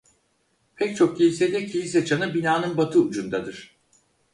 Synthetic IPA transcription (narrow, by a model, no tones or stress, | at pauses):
pʰɛc̚t͡ʃʰo̞k̚cejised̪ɛcʰejis̬ɛt͡ʃʰanɯbinaːnɯnbat̪ʰɯud͡ʒund̪ad̪ɯɾ̥